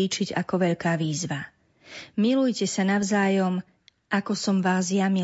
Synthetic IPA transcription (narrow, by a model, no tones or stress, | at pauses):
iːt͡ʃiɟakɔʋɛʎkaːʋiːzʋa | milujcɛsanaʊzaːjɔm | ʔakɔsɔmʋaːzjami